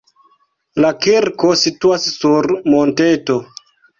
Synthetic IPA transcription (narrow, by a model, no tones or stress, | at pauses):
lakiɾko̞situasːuɾmonteto̞